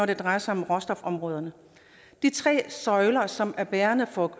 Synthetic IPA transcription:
ɒɾ̥e̝d̥ʁɑ̈ɪɐsɑ̈ɪɒ̽mʁɒsd̥ɒ̽fɒ̽mʁɔ̽ːð̞ˠɐnə | d̥it͡sʰʁɛ̰ːsɒ̽ɪlɐsɒ̽mæɐb̥æːɐnəfɒ̽ɡ̥

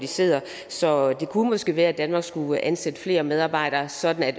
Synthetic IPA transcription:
d̥ise̝̰ð̰ˠɐ | sɒ̽d̥e̝kʰumɒsɡ̥e̝̰ːʋæːɐæd̥ænmɑ̈ːɡ̥sɡ̥uænsed̥əfle̝̰ːɐmeðˠɑ̈ːb̥ɑ̈ɪ̰ɾ̥ɐːsɒ̽d̥n̩æd̥

